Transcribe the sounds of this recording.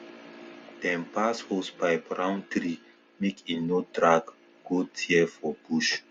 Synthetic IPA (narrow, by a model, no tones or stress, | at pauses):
d̥ɛ̃mpashospaɪpɹãʊ̃ntɾi | mekʰinotɾaɡ | ɡ̥otʰiɛfɔb̥uʃ